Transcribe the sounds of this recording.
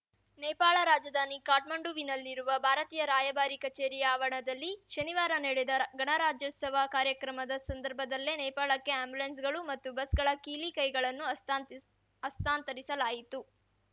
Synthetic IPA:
nɛjpaːɭɐɾaːd͡ʒɐd̪ʱaːnikaːʈmɐɳɖuʋinɐlːiɾuʋɐbʱaːɾɐt̪iːjɐɾaːjɐbaːɾikɐt͡ʃeːɾijaːʋɐɳɐd̪ɐlːiʃɐniʋaːɾɐnɐɽed̪ɐɡɐɳɐɾaːd͡ʒjɔːt̪sɐʋɐkaːɾjɐkɾɐmɐd̪ɐsɐnd̪ɐɾbʱɐd̪ɐlːenɛjpaːɭɐkːe̞aːmbulens̬ɡɐɭumɐt̪ːubɐsɡɐɭɐkiːlikɐjɡɐɭɐnːu | ɐst̪aːnt̪ɐɾisɐlaːjit̪u

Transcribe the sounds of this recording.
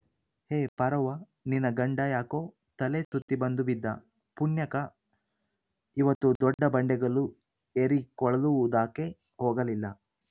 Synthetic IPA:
heːpɐɾɐʋɐ | ninːɐɡɐɳɖajaːkoː | t̪ɐlesut̪ːibɐnd̪ubid̪ːɐ | punjɐkɐ | iʋɐt̪ːud̪ɔɖːɐbɐɳɖɛɡɐɭu | eɾikɔɭɐluʋud̪aːke | hɔːɡɐlilːɐ

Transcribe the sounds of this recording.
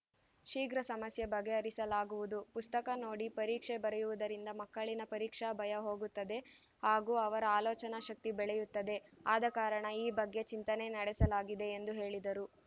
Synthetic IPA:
ʃiːɡɾɐsɐmɐsjɐbɐɡːe̞ɐɾisɐlaːɡuʋud̪upust̪ɐkɐno̞ːɽipɐɾiːkʂebɐɾɛjuʋud̪ɐɾind̪ɐmɐkːɐɭinɐpɐɾiːkʂɐbʱɐjɐɦo̞ːɡut̪ːɐd̪e̞ | haːɡuːɐʋɐɾɐaːlɔːt͡ʃɐnɐʃɐk̚t̪ibɛɭɛjut̪ːɐd̪e̞aːd̪ɐkaːɾɐɳɐiːbɐɡːe̞t͡ʃint̪ɐne̞nɐɽɛsɐlaːɡid̪e̞ːnd̪uɦe̞ːɭid̪ɐɾu

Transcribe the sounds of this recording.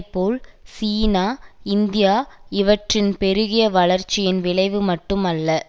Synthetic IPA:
pːoːlsiːnaːɪnd̪ɪjaːɪʋɐʈrɪnpɛɾɯɣɪjɐʋɐɭɐɾt͡ʃːɪjɪnʋɪɭɐɪʋɯmɐʈːɯmɐlːɐ

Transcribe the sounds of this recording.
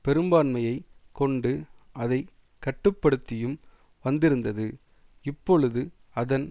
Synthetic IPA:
pɛɾɯmbaːnmɐjɐɪkɔɳɖɯɐðɐɪ | kːɐʈːɯpːɐɽɯt̪ːɪjɯm | ʋɐnd̪ɪɾɯnd̪ɐðɯ | ɪpːɔɭɯðɯ | ɐðɐn

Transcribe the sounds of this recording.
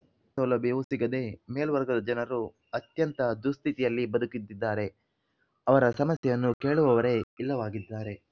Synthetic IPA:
sɐlɐbeʋusiɡɐd̪e̞meːlʋɐɾɡɐd̪ɐd͡ʒɐnɐɾu | ɐt̪jɐnt̪ɐd̪ust̪ʰit̪ijɐlːibɐd̪ukid̪ːid̪ːaːɾe | ɐʋɐɾɐsɐmɐsjɛjɐnːuke̞ːɭuʋɐʋɐɾe̞ilːɐʋaːɡid̪ːaːɾe̞

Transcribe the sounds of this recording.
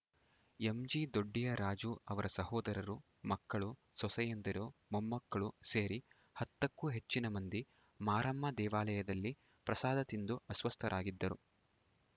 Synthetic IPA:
emd͡ʒid̪oɖːijɐɾaːd͡ʒuɐʋɐɾɐsɐhɔːd̪ɐɾɐɾu | mɐkːɐɭusɔsɐjɐnd̪ɐɾumomːɐkːɐɭuseːɾi | hɐt̪ːɐkːuɦe̞t͡ʃːinɐmɐnd̪i | maːɾɐmːɐd̪ɛːʋaːlɐjɐd̪ɐlːi | pɾɐsaːd̪ɐt̪ind̪uɐsʋɐst̪ʰɐɾʔaːɡid̪ːɐɾu

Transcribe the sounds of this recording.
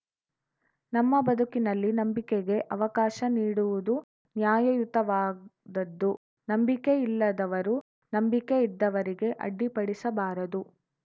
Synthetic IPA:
nɐmːɐbɐd̪ʱukinɐlːinɐmbikeɡe̞ʔɐʋɐkaːʃɐniːɽuʋud̪u | njaːjɐjut̪ɐʋaːd̪ɐd̪ːu | nɐmbikeilːɐd̪ɐʋɐɾu | nɐmbikeid̪ːɐʋɐɾiɡe̞ʔɐ̰ɖːipɐɽisɐbaːɾɐd̪u

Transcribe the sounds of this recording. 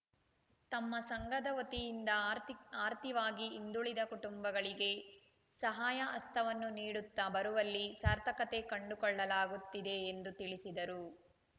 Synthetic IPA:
t̪ɐmːɐsɐŋɡɐd̪ɐʋot̪ijind̪ɐaːɾt̪iʋaːɡiːnd̪uɭid̪ɐkuʈumbɐɡɐɭiɡe̞ | sɐɦaːjɐʔɐst̪ʰɐʋɐnːuniːɽut̪ːɐbɐɾuʋɐlːisɐɾt̪ʰɐkɐt̪e̞kɐɳɖukɔɭːɐlaːɡut̪ːid̪e̞ːnd̪ut̪iɭisid̪ɐɾu

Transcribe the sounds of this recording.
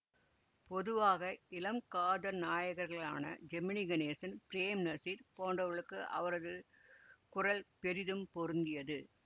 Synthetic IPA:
pɔðɯʋaːɣɐɪlɐmkaːðɐɾnaːjɐɣɐɾɣɐɭaːnɐ̰d͡ʒɛmːɪnɪɡɐneːsɐnpɪɾeːmnɐsiɾpoːnɖrɐʋɐɭɯkːɯʔɐ̰ʋɐɾɐðɯ | kʊrɐlpɛɾɪðɯmpɔɾɯnd̪ɪjɐðɯ

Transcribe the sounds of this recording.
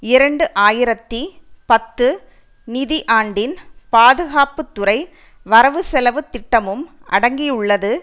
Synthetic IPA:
ɪɾɐɳɖɯʔaːjɪɾɐt̪ːipɐt̪ːɯ | nɪðiʔaːɳɖɪnpaːðɯɣaːpɯt̪ːʊɾɐɪ | ʋɐɾɐʋɯsɛlɐʋɯt̪ːɪʈːɐmɯmʔɐ̰ɽɐŋɡɪjɯɭːɐðɯ

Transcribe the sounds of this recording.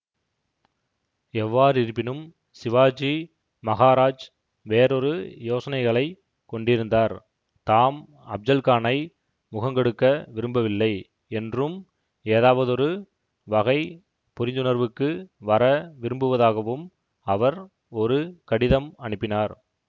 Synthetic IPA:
ɛʋːaːɾɪɾɯpːɪnɯm | sɪʋaːd͡ʒi | mɐɣaːɾaːd͡ʒ | ʋeːɾɔɾɯjoːsɐnɐɪɣɐɭɐɪ | kːɔɳɖɪɾɯnd̪aːɾ | t̪aːm | ɐb̚d͡ʒ̪ɐlkaːnɐɪ | mʊɣɐŋɡɛɽɯkːɐʋɪɾɯmbɐʋɪlːɐɪ | ɛndrɯm | eːðaːʋɐðɔɾɯ | ʋɐɣɐɪ | pʊɾɪnd̪ɯnɐɾʋɯkːɯʋɐɾɐʋɪɾɯmbɯʋɐðaːɣɐʋɯm | ɐʋɐɾ | ɔɾɯkɐɽɪðɐmɐɳɯpːɪnaːɾ

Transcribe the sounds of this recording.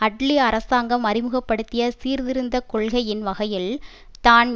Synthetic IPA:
ɐʈɭiɐɾɐsaːŋɡɐmɐɾɪmɯɣɐpːɐɽɯt̪ːɪjɐsiːɾðɪɾɯnd̪ɐkɔɭɣɐjɪnʋɐɣɐjɪl | t̪aːn

